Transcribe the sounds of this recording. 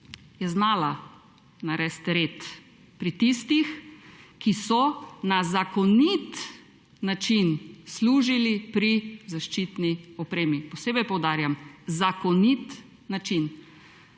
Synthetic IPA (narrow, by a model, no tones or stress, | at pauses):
jɛznaːla | naɾɛst̪ɾeːt̪ | pɾit̪ist̪ixkisɔnazakɔnit̪ | nat͡ʃinsluːʒilipɾizaʃt͡ʃit̪niɔpɾeːmipɔseːbɛjpɔwd̪aːɾjamzakɔnit̪ | nat͡ʃin